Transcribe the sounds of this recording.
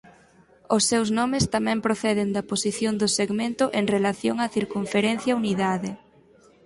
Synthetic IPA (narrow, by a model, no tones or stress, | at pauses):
ʊsːewznɔmɪst̪amɛ̃mpɾoθɛðɪnd̪ɐposiθjond̪ʊseɣmẽnt̪ʊʔeŋrelaθjoŋaθiɾkuɱfeɾɛn̟θjauniðaðɪ